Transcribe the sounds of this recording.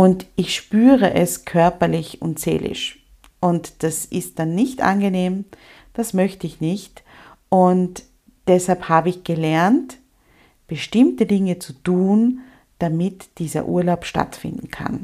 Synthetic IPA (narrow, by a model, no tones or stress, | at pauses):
ʊntʔɪçʃpyːʁəʔɛskʰœɐpɐlɪçʊ̰ntz̥ḛːlʔɪ̰ʃ | ʔʊntd̥asɪst̚d̥anːɪçtʔa̰nɡəneːm | d̥asmœçtəɪçnɪçt | ʔʊnt | d̥ɛshalphaːbəɪçɡ̥əlɛɐnt | b̥əʃtɪmtədɪŋət͡sutuːn | d̥amɪtd̥iːzɐ̰ʔṵːɐlaʊpʃta̰tfɪ̰̃ndn̩kʰa̰n